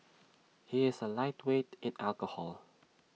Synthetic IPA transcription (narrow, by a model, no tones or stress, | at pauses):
hiɪsəlaɪtʰwetɪ̃nɛlkəhɔ̰l